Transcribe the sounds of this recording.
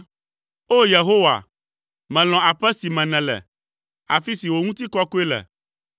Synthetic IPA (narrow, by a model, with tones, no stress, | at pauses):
o˦je˨ɦo˦wa̰˨ | mɛ̃˨l̃ɔ̃˨a˨ɸɛ˦si˨mɛ̃˨nɛ̃˨lɛ̰˨ | a˨fi˦si˨wo˨ŋũ˦t̪i˦kɔ˦ku˦e˦lɛ̰˨